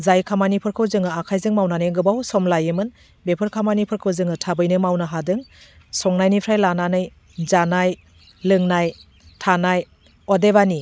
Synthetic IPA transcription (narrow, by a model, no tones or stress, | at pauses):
zajkʰamanipʰɯɾkʰɯwzɯŋɯakʰajzɯŋmawnanɯjŋɡɯbawsɔmlajɯmɯn | bepʰɯɾkʰamanipʰɯɾkʰɯwzɯŋɯtʰabɯjnɯmawnɯɦadɯŋ | sɔŋnajnipʰɾajlananɯj | zanaj | lɯŋnaj | tʰanaj | ɔdeβani